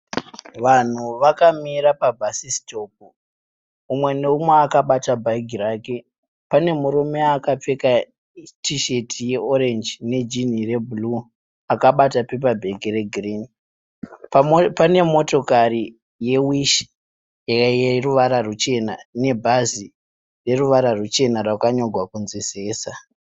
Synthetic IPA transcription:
ʋan̤uʋakamiɾapabʱasisto̞p̚uː | umwe̞neumweakaɓatabʱaiɡʱiraːke̞ | pane̞muɾume̞akap͡fe̞ka | tʰiʃe̞tʰije̞ʔo̞ɾe̞nd͡ʒne̞d͡ʒin̤ire̞bulu | akaɓatape̞p̬abʱe̞ɡʱiɾe̞ɡʱriːni | pane̞mo̞to̞kari | je̞wiʃ | jjeruʋaɾarut͡ʃe̞nane̞bʱazi | re̞ruʋaɾarut͡ʃe̞narwakaɲo̞ɡʱwakunziseːsa

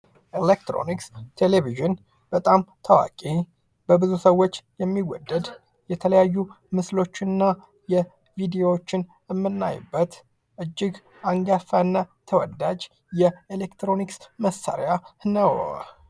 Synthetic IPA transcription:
ʔelekt̪ɾo̰nikst̪ʰeleviʒɨn | b̥ət̪ʼamt̪ʰawa̰kʼe | b̥əbɨzusəwːo̞t͡ʃːjɛmːiwːɔ̰d̪ːəd̪ | jɛt̪ʰələjajːu | mɨslo̞t͡ʃːɪnːa | jɛ | vid̪eo̞wot͡ʃːɪn | ɨmːɨnːa̰jɪ̰bːət̪ | ʔɨd͡ʒːɪɡ | aŋɡafanːat̪ʰəwɔd̪ad͡ʒ | jɛelekt̪ɾo̞niksməsːa̰ɾjanəw

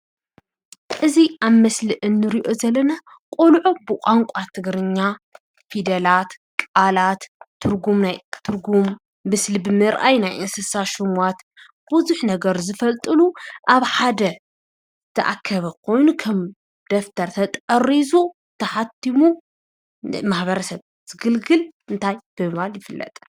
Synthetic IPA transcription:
ʔɨziʔaβmɐslɨʔɨnːɨɾiʔo̞zɐlːɐna | kʼulʕobɨkʷʼaŋkʷʼat̪ʰɨɡɾɨɲːa | fid̪ɐlat̪ | kʼalat̪ʰːɨɾɡumnajt̪ʰɨɾɡumː | ɨslibɨmɨɾʔajnajʔɨnsɨsaʃɪmwat̪ | b̥uzuħnɐɡɐɾzɨfɐlt̪ʼɨluʔaβħad̪ɐ | t̪ʰɐʔa̰kʰːɐβɐkʰo̞jnukʰɐm | d̪̥ɐft̪ʰɐɾt̪ʰɐt̪ʼɐrizu | t̪ʰɐħat̪ʰːimu | maħbɐɾɐsɐβ | z̥ɨɡɨlɡɨlɨnt̪ʰajb̥ɨmɨβaljɪfɨlːɐ̰t̪ʼ

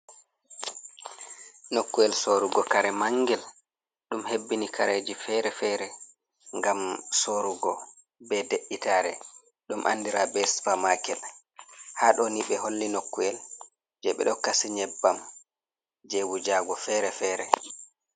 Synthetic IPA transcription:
nokːuɛlsoɾuɡɔkaɾɛmaŋɡɛl | ɗumhebːinikʰaɾed͡ʒifɛɾɛfɛɾɛ | ŋɡamsoɾuɡɔ | bɛdeʔːitaːɾɛ̰ | ɗumʔa̰nːdiɾabɛsfamakɛl | haːɗɔniɓɛɦolːinokːuɛl | d͡ʒɛɓɛ̰ɗɔkasiɲɛbːam | d͡ʒɛwud͡ʒaɡɔfɛɾɛfɛːɾɛ

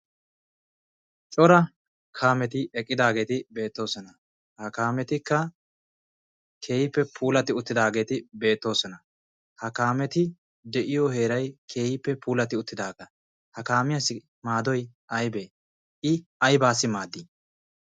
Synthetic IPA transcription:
t͡ʃʼɔɾɐ | kʰaːmɛt̪ɪɛkʼːɪd̪aːɡe̞ːt̪ɪbe̞ːt̪ːo̞ːsɔnɐ | hɐkaːmɛt̪ɪkːɐ | kʰe̞ːhɪpːɛpʰuːlɐt̪ɪʊt̪ːɪd̪aːɡe̞ːt̪ɪbe̞ːt̪ːo̞ːsɔnɐ | hɐkaːmɛt̪ɪ | d̪ɛʔɪjɔhe̞ːɾɐjkʰe̞ːjɪpːɛpuːlɐt̪ɪʊt̪ːɪd̪aːɡɐ | hɐkaːmɪjɐsɪ | maːd̪ɔjʔɐjbeː | ʔɪɐjbaːsːɪmaːd̪ːi

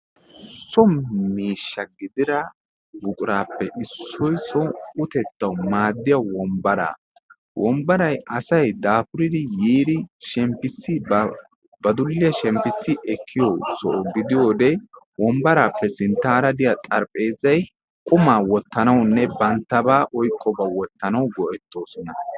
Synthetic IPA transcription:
sɔmmːiːʃːɐɡɪd̪ɪɾɐ | bʊkʼʊɾaːpːɛʔɪsːɔjsɔʊt̪ɛt̪ːɐwmaːd̪ːɪjɐwɔmbɐɾa̰ː | wʔɔmbɐɾɐjɐsɐjd̪aːfʊɾɪd̪ɪjiːd̪ɪʃɛmpːɪsːɪ | bɐd̪ʊlːɪjɐʃɛmpːɪsːɪʔɛkʰːɪjɔsɔʔɔɡɪd̪ɪjo̞ːd̪ɛwɔmbɐɾaːpːɛsɪnt̪ːaɾɐd̪ɪjat̪ʼɐɾpʼe̞ːzɐj | kʼʊmaːwɔt̪ːɐnɐwnːɛbɐnt̪ːɐbaːʔɔjkʼːɔbawɔt̪ːɐnɐwɡɔʔɛt̪ːo̞ːsɔnɐ

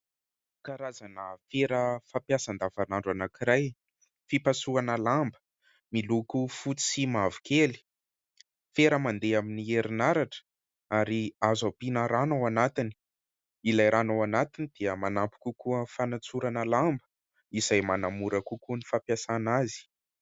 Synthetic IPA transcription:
kaɾazanəfeɾəfapjasand̪avanaɳɖ͡ʐanakiɾaj | fipasuanəlambə̥ | milukufut͡si̥simavi̥keli̥ | feɾəmand̪eaminieɾinaɾaʈ͡ʂə̥ | aɾiazapinəɾanawanat̪ini̥ | ilajɾʔanawanat̪inid̪̥iəmanampi̥kʲukuəfanat͡suɾanəlambə̥ | izajmanamuɾəkukunifapjasanazi̥

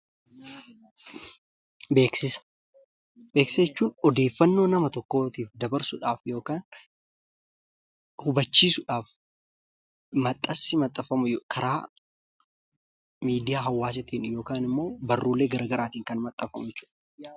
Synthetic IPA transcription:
be̞ːksɪsɐ̥ | be̞ːksɐjɛt͡ʃːuːnɔd̪e̞ːfːɐnːo̞ːnɐmɐt̪ɔkːo̞ːt̪iːfd̪ɐbɐɾsʊᶑaːfjo̞ːkaːn | hʊbɐt͡ʃːiːsʊᶑaːf | mɐt̪ʼːɐsːɪmɐt̪ʼːɐfɐmʊjkʰɐɾʔaː | miːd̪ɪjaːɦɐwːaːs̬ɪt̪iːnjo̞ːkaːnɪmːo̞ːbɐrːuːlːe̞ːɡɐɾɐɡɐɾʔaːt̪iːŋkɐnmɐt̪ʼːɐfɐmʊjɛt͡ʃːuːᶑ

